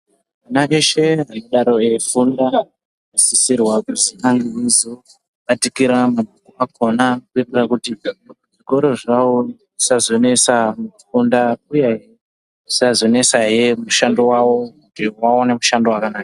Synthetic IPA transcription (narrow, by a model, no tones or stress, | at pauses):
manaʔe̞ʃe̞ɦanoɗaɾo̞efunda | asisirwakuzikaŋɡeezo | ɓatikiɾamabʱukuakʰo̞nakuirirakuti | ʐiko̞ɾo̞ʐawoʐisazo̞ne̞samufundaujeɦe | ʐisazo̞ne̞saɦe̞muʃandowawo̞kutiwaonemuʃando̞wakanaːka